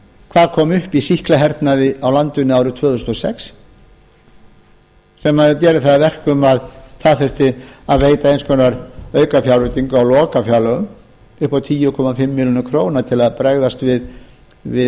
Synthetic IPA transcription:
kʰvaːðkʰɔːmʏhpisihklaɦɛɾt̪naðɪʔawlant̪ʏnːɪaːwɾʏt̪ʰv̥œːðʏst̪ɔsɛ̰ks | sɛmːaðcɛːɾʏθaðavɛr̥kʏmaðθaðθɛr̥t̪ɪaðreːjt̪aejnskʰɔnaɾœːɥkafjawɾrʏt̪iŋkawlɔːkafjawlœɣʏm | ʏhpawt̪ʰiːjʏkʰɔmafɪmːɪljɔnʏkʰɾoːwnat̪ʰɪlaðpɾɛɣðast̪vɪð | vɪ

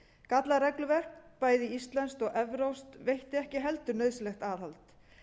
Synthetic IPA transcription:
kat̪laɾɛklʏvɛr̥kpaːjðɪist̪lɛnst̪ɔɣʔɛvɾowst̪vejht̪ɪɛhcɪɦɛlt̪ʏɾnœːɥslɛxt̪aːðhalt̪

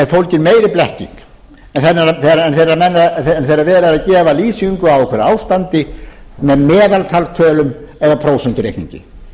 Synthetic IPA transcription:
ɛɾ̥fowlcɪnmeːjɾɪplɛhcḭŋk | ɛnθɛnːaɾaθeɾɛnθejɾamɛnːanθejɾavɛːɾaðaðcɛːvaliːsiŋkʏawɔkʰvɛɾaːwst̪ant̪ɪ | mɛðmɛːðalt̪ʰalt̪ʰœːlʏmɛðapʰɾowsɛnt̪ʏɾejknḭɲcɪ̰

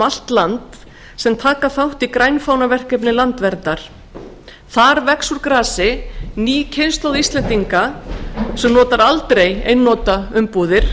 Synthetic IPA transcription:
al̥t̪lant̪ | sɛmt̪ʰaːkaθawht̪ikɾajnfaːwnavɛr̥kɛpnɪlant̪vɛɾt̪aɾ̥ | θaɾvɛksuɾkɾaːsɪniːcʰenst̪owðist̪lɛnt̪iŋka | sɛmnɔːt̪aɾalt̪ɾejejnːɔːt̪aʏmpuːðɪɾ̥

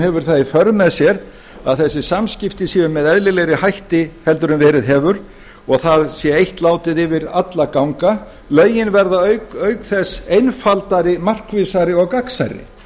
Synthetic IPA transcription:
hɛvʏɾ̥θaifœɾmɛðsjɛɾ | a̰ðθɛsːɪsamscɪft̪ɪsiːʏmːɛðɛðlɪleːjɾɪhajht̪ɪhɛlt̪ʏɾʏnvɛːɾɪðɦɛːvʏɾ | ɔɣθaðsjɛejht̪laːwt̪ɪðɪvɪɾat̪lakawŋka | lœːɥjɪnvɛɾðaœɥkœːɥkθɛsejnfalt̪aɾɪmar̥kvɪsaɾɪɔɣkaksa̰ɾɪ̰

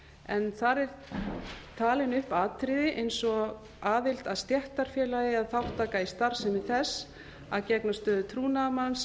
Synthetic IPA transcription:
ɛnθaɾɛɾ̥ | t̪ʰaːlɪnʏhpaːt̪ɾɪðɪʔejnsɔɣ | aːðɪl̥t̪aðst̪jɛht̪aɾ̥fjɛːlaðɪaðθawht̪aːkaist̪aɾ̥sɛmɪθɛs | aðcɛknast̪œːðʏt̪ʰɾuːnamans

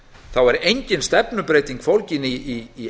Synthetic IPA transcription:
θawɛɾejɲcɪnst̪ɛpnʏpɾeːjt̪iŋkfowlcɪniiː

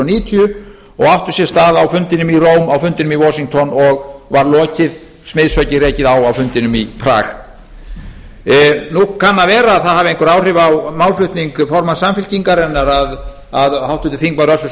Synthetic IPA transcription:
niːt̪ʰiʏ | ɔɣawht̪ʏsjɛst̪aːðawfʏnt̪ɪnʏmiroːwmawfʏnt̪ɪnʏmivɔsiŋkt̪ʰɔnɔɣvaɾlɔːcɪð | smeːðsœɥcɪreːjcɪðawawfʏnt̪ɪnʏmipʰɾa̰ːx | nukʰanːavɛːɾaːðθaðhaːvɪejŋkɔɾaːwrɪvawmawlflʏht̪niŋkfɔɾmansamfɪlciŋkaɾɛnːaɾað | aðhawht̪ʏt̪ɪθiŋkmaɾœsʏs

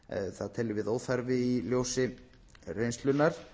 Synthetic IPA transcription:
θaðt̪ʰɛlːɪvɪðoːwθaɾvɪiljowsɪ | rejnst̪lʏnːaɾ̥

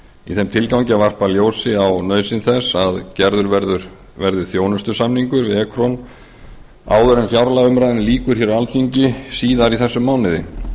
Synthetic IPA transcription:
iθɛmt̪ʰɪlkawɲcɪavar̥paljoːwsɪawnœːɥsɪnθɛsːaðcɛɾðʏɾvɛɾðʏɾ | vɛɾðʏ̥θjoːwnʏst̪ʏsamniŋkʏɾvɪɛkʰɾɔn | a̰ːwðʏɾɛnfjawɾlaʏmɾajðɪnliːkʏɾ̥çjɛɾaalt̪iɲcɪsiːðaɾiθɛsːʏmːaːwnɪðɪ̰

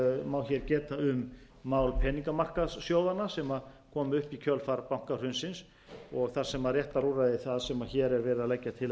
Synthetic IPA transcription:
maːwçɛɾcɛːt̪aʏmː | aːwlpʰɛːniŋkamar̥kassjowðanasɛmakʰɔːmʏhpikʰœlfaɾpawŋ̥kar̥hʏnsɪns | ɔɣθaɾsɛmaðrjɛht̪aɾuːraðɪθaðsɛmaçɛːɾɛɾvɛːɾɪðalɛcːat̪ʰɪl

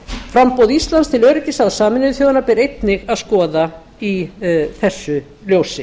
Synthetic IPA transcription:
fɾampowðist̪lanst̪ʰɪlœɥɾɪc̪ɪsaðsaːmɪnɪðʏθjoːðanaɾpɪɾejt̪nɪɣaðskɔːða | iθɛsːʏ | ljowsɪ

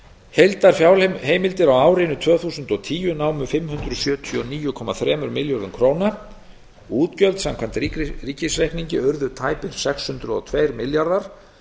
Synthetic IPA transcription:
hejlt̪aɾ̥fjaːwlheːjmɪlt̪ɪɾawaːwɾɪnʏt̪ʰvœːθuːsʏnt̪ɔɣt̪ʰiːjʏnaːwmʏfɪmhʏnt̪ɾʏsjœːt̪ʰiɔniːjʏkʰɔmaθɾɛːmʏɾmɪljɔɾðʏnkʰɾoːwna | uːt̪cœlt̪samkʰvamnt̪iriːcɪsrehkniɲcɪœɾðʏt̪ʰaːjpɪɾ̥sɛkshʏnt̪ɾʏɔ̰t̪ʰveːjɾmɪljaɾðaɾ̥

